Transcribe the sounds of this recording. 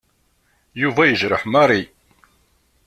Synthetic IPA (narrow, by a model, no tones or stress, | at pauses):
juvæjəʒɾəħmaɾˤi